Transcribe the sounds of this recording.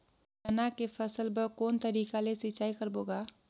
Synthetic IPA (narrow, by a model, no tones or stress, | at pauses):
ənakepʰəsəlbəkoːnt̪əɾikalesɪt͡ʃaːikəɾboɡa